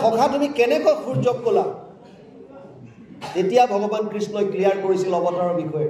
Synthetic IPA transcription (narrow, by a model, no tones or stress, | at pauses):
ɔkʰatumikɛnɛkɔkʰuɹzɔkkola | tetijabʱɔɡɔbankɹisnɔjklijaɹkoɹisilɔbɔtaɹɔbixʰɔjɛ